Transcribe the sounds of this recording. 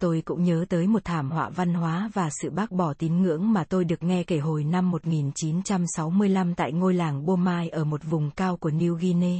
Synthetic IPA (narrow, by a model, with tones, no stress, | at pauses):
t̪o˧jkʊ̰˧˥ŋ͡mɲəː˨˦t̪əː˨˦jmo˨˩t̚t̪ʰaː˧˩mhwa̰ː˧˨va˧nɦwaː˨˦vaː˨˩sɨ̰˧˨ɓaː˦˥k̚ɓɔ˧˩t̪i˨˦nŋɨ̰˧˥əŋmaː˨˩t̪o˧jɗɨ˨˩ək̚ŋɛ˧ke˧˩ɦo˨˩jna˧mːo˨˩t̚ŋi˨˩nt͡ɕi˨˦nt͡ɕa˧msa˨˦wmɨ˧əjla˧mt̪a̰ː˧˨jŋo˧jlaː˨˩ŋɓo˧maː˧jʔəː˧˩mo˨˩t̚vʊ˨˩ŋ͡mkaː˧wku˧˩əni˧wɣi˧ne˧